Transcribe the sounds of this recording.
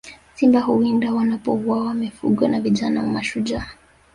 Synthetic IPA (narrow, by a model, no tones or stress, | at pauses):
simbahuindawanapɔuwawamifṵɠɔnaviʄanamamaʃuʄa